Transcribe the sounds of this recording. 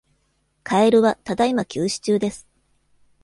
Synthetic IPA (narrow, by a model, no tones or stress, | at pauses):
kʰae̞ɾɯ̟βat̪ad̪aimakʲʰɨːɕi̥t͡ɕɨːd̪e̞sɨ̥